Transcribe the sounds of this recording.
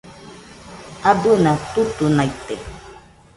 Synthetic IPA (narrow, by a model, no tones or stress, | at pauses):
abunat̪ut̪unajt̪e